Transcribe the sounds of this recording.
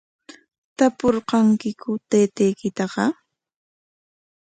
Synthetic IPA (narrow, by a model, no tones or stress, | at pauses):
t̪apoɾqɑŋkɪkʊt̪eːt̪ejkɪt̪ɑqɑ